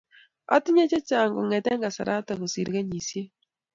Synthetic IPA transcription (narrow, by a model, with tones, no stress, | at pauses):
a̰˦ti˦ɲe˦t͡ʃe˦t͡ʃa˨ŋɡo˨ŋɛ˨tɛ˦ŋɡa˨sa̰˨ɾʔa˦ta˨ku˨si˨ɾke˦ɲi˨sje˦